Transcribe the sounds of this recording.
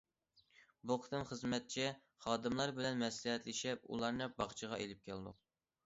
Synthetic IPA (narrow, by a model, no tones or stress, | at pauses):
buqʰə̥t̪ɨmχəzmɛt̪̚t͡ʃʰi | χɑːd̪ɨmlˠɑɾbɪlɛnmɛslɪɦɛt̪lɪʃɛpṵlˠɑɾnɨbɑχt͡ʃʰəʁɑʔelɪp̚kʲʰɛlnʊ̰q̚